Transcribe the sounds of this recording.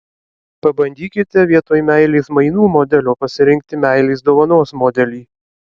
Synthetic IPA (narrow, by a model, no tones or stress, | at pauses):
pɐbɐnʲd̪ʲiːkʲɪt̪ʲɛʋʲiɛt̪oːjmʲæɪlʲeːsmɐɪnuːmod̪ʲɛlʲoːpɐsʲɪɾʲɪŋʲk̚t̪ʲɪmʲæˑɪlʲeːs̬d̪oːʋɐnoːsmoːd̪ʲɛlʲiː